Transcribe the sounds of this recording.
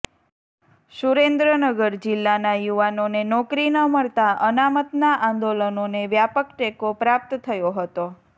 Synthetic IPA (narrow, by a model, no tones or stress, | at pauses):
ʃuɾend̪ɾənəɡəɾd͡ʒɪlːanajuʋanonenɔkɾinəməɭt̪aʔənamət̪naʔãnd̪olənoneʋjapəkʈekopɾap̚t̪t̪ʰːəjoɦət̪o